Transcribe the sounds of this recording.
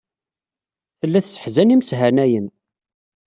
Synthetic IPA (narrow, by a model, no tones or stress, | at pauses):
θəlːæθsə̥ħzænimsɦænæjən